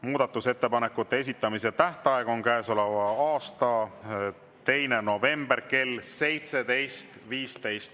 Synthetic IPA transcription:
muːd̪ɑt̪ːˑuse̞t̪ːe̞pɑne̞kːˑut̪ːe̞es̬it̪ːˑɑmis̬et̪æht̪ɑeɡ̥o̞nkæːso̞le̞vɑɑːst̪ɑ | t̪e̞jne̞no̞ve̞mbe̞rke̞lse̞jt̪se̞d̪e̞jst̪viːst̪e̞jst̪

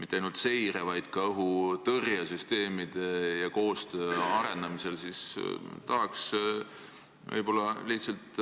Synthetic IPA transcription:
mit̪ːeɑjnult̪se̞jɾevɑjd̪̥kɑɤɦut̪ɤrjɑsyst̪e̞ːmid̪̥e̞jɑko̞ːst̪øɑɾe̞nd̪ɑmise̞lsist̪ɑɦɑks | vɤ̰jbo̞lːɑliht̪sɑlt̪

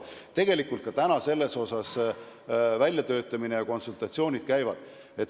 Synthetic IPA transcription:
t̪e̞ɡe̞likult̪̚kɑt̪ænɑse̞lːe̞so̞sɑs | vælʲjɑt̪ø̞ːt̪ːˑɑminejɑko̞nsult̪ˑɑt̪ʲsio̞ːnʲid̪̥̚kæjvɑd̪̥ | e̞t̪

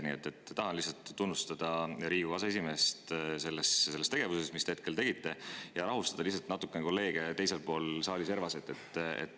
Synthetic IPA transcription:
niet̪ːˑet̪ːɑɦɑnlihs̬ɑlt̪ːunːust̪ɑd̪̥ɑɾiːɡ̥uvɑsɑes̬ime̞ːst̪se̞lːesse̞lːest̪eɡe̞vusesmist̪ee̞t̪̚ke̞lt̪e̞ɡit̪ːˑe̞jɑɾɑɦust̪ɑd̪ɑlihs̬ɑlt̪nɑt̪ːˑukˑːeneko̞lːe̞ːɡ̥e̞t̪e̞jse̞lpo̞ːlsɑːlise̞ɾvɑset̪ˑːe̞t̪ːḛt̪ː

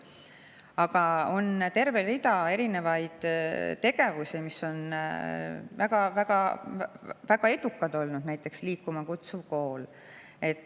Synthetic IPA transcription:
ɑɡɑo̞nt̪e̞rve̞rid̪̥ɑe̞ɾine̞vɑjd̪̥t̪e̞ɡ̥e̞vusimiso̞n | væɡ̥ɑvæɡ̥ɑ | væɡ̥ɑe̞d̪̥ukːˑɑd̪̥o̞lnud̪̥næjt̪ːˑe̞ksliːkːˑumɑkut̪suvko̞ːl | e̞t̪ː

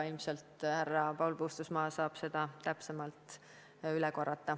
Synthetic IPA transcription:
ilmse̞lt̪hærːɑpɑwlpuːst̪usmɑːsɑːb̥se̞d̪̥ɑt̪æpse̞mɑlt̪ˑ | ylɛko̞rːɑt̪ːˑɑ

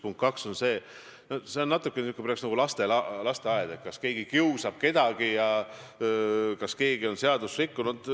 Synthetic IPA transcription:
puŋkt̪̚kɑkso̞nse̞ː | nose̞onːɑt̪ːˑukːˑenykːˑepreɑksnɑɡ̥ulɑst̪elɑlɑst̪e̞ɑed̪̥et̪̚kɑske̞ːɡ̥ikiusɑb̥̚ke̞d̪̥ɑɡ̥ijɑ | kɑske̞ːɡio̞nse̞ɑd̪usrikːunud̪̥

